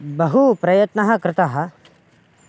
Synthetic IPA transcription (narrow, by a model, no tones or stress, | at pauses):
bɐɦupɾɐjɐt̪nɐɦɐkɾɪt̪ɐɦɐ